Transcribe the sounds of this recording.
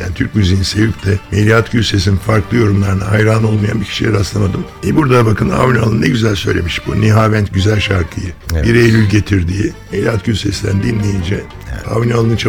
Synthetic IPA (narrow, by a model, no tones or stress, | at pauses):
ja̰ːnit̪ʰyɾcmyzejinsejypʲt̪ʰɛmelʲiat̪ɟylʲsesininfaɾklˠɯjo̞ɾumlˠaɾɯnaɦajɾano̞lˠmaja̰nbicʰi̥ʃiljʲɛɾaslˠamad̪ɯm | ɛbuɾd̪ad̪abakɯna̰vnʲyalˠɯnɯnɛɟyzælʲsø̞jlʲe̞miʃbuniɦaːvænt̪ɟyzælʲʃaɾkʰɯjɯbiɾejlʲylʲɟe̞t̪ʰiɾd̪iːmmelʲiat̪ɟysesid̪ʲænd̪inːʲejind͡ʒɛ | a̰vnʲialˠɯnɯt͡ʃʰa